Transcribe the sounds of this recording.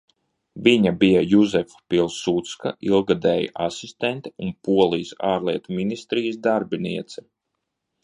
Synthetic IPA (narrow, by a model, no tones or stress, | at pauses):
viɲabijajuzɛfḁpilˠsut̪skaʔilˠɡad̪ɛːj̰ʔasist̪ɛnt̪i̥unpuɔlˠijsaːɾliɛt̪uminist̪ɾijs̬d̪aɾbiniɛt̪sɛ